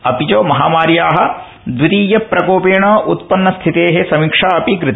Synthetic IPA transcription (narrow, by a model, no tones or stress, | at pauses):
ɐpit͡ʃoːmɐɦaːmaːɾjaːɦɐ̆ | d̪ʋit̪iːjɐpɾɐkoːpeːɳɐːʔut̪̚pɐnːɐst̪ʰit̪eːɦesɐmikʂaːɐpikɾɪt̪